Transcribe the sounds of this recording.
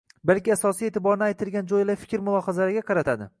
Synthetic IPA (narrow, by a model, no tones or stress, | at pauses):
balkʲɪasɒsijet̪ʰɪbɒɾnɪajt̪ʰɪlɡʲand͡ʒojlajfɪ̥kʲɾmʊlˠɒhazalɾɪɡʲaqʰɑɾat̪ʰad̪ɪ̰